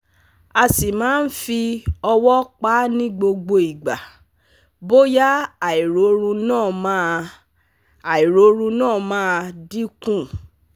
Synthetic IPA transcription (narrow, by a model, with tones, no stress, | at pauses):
a˨si˨mãː˨˦n̩˦fi˧ɔ˧wɔ˦k͡pa˦nĩ˦ɡ͡bo˧ɡ͡bo˧i˨ɡ͡ba˨ | bo˦ja˦a˨i˨ɾo˨˦ɾũ˧nãː˦˨mã˦ | a˨i˨ɾo˨˦ɾũ˧nãː˦˨mãː˦˧di˦kũ˦˨